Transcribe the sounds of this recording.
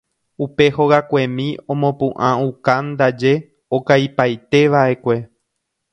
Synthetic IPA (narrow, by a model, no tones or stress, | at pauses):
upe̞ho̞ɣakʷe̞mĩõ̞mõ̞pɨ̃ʔãũkand̪ad͡ʒe̞ | okajpajt̪e̞ʋaʔe̞kʷe̞